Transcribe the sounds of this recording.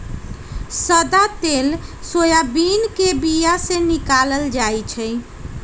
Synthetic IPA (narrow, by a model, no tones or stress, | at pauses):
səd̪at̪elsojabinkebijasẽnikaləld͡ʒajt͡ʃʰəj